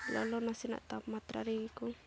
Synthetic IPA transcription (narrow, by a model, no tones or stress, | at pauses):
lɔ̰lɔnasina̰ʔt̪apmat̪ɾa̰ɾiku